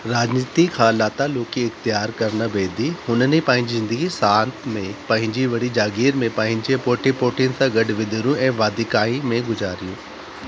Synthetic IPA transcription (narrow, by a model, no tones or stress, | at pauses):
ɾaːd͡ʑniːt̪ikʰãːlaːt̪aloːkiɪxt̪ɪjaːɾkɐɾnəbeːd̪ihʊnənipɐ̃ɦɪ̃ɲd͡ʑizɪ̃nd̪əɡisaːnt̪ʰmẽpɐ̃ɦɪ̃ɲd͡ʑiʋɐɽid͡ʑaːɡiːɾmẽpɐ̃ɦɪ̃ɲd͡ʑepoːʈʰipoːʈʰijʊnɪ̆t̪ãɡɐɖʋɪd̪ʱɪɾũɛ̃ːʋaːd̪ɪkaːimẽɡʊzaːɾijũː